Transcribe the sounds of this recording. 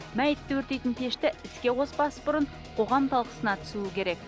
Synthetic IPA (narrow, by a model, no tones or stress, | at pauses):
mæjɪt̪ːewɵɾt̪e̞jt̪ɪnt̪ʰe̞ʃt̪ɪɪskʲe̞wo̞spɑsəbʊɾəɴ | qʰo̞ʁɑmt̪ʰɑlˠqə̥sənɑt̪ʰʏ̥suɪkʲe̞ɾe̞k̚